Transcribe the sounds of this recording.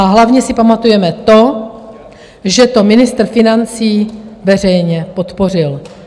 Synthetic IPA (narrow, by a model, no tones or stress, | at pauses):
aɦlavɲɛsɪpamat̪ujɛmɛt̪o̞ | ʒɛt̪o̞mɪnɪst̪r̩fɪnant͡siːvɛr̝ɛjɲɛpot̪po̞r̝ɪl